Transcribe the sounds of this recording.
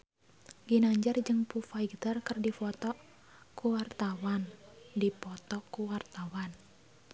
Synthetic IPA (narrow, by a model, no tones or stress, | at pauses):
ɡinaɲd͡ʒard͡ʒɨŋpufaiɡt̪ərkərdifɔt̪ɔ | kuwart̪awandipɔt̪ɔkuwart̪awan